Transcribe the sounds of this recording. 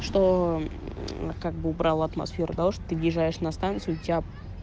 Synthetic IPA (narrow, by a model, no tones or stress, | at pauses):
ʂt̪o | kaɡ̚bɨʊbɾalˠəɐt̪mɐ̰sfʲeɾʊd̪aʂt̪ot̪ɨvʲɪʐajɪʂnɐst̪ant̪sɨʊtʲɪa